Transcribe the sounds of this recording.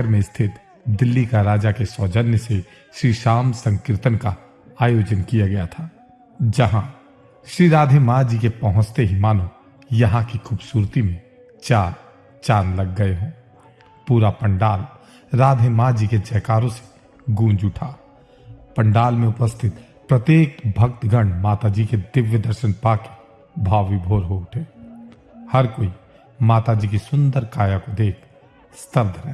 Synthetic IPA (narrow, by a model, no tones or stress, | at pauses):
ɾmẽst̪ʰɪt̪ | d̪ɪlːikaɾaːd͡ʒakesɔːd͡ʒənjəse | ʃɾiːʃaːmsə̃ŋkɾɪt̪ənka | aːjoːd͡ʒənkijaɡɐjat̪ʰaː | d͡ʒɐɦã | ʃɾiːɾaːd̪ʱemad͡ʒikepɐɦʊ̃t͡ʃt̪eɦimaːnõ | jɐɦãkikʰuːbsuːɾt̪imẽ | t͡ʃaːɾ | t͡ʃaːnlɐɡːɐeɦõː | puːɾapə̃ɳɖaːl | ɾaːd̪ʱemad͡ʒiked͡ʒəːkaːɾõse̥ | ɡũːnd͡ʒʊʈʰa | pəɳɖaːlmẽʊpəst̪ʰɪt̪ | pɾət̪jeːk̚bʱək̚t̪ɡʱəɳmaːt̪ad͡ʒiked̪ɪʋjəd̪əɾʃənpaːke̥ | bʱaːʋibʱoːɾɦoːʈʰɦeː | həɾkoːi | maːt̪ad͡ʒiːkisʊ̃nd̪əɾkaːjakod̪eːkʰ | st̪əb̚d̪ʱɾɛɦ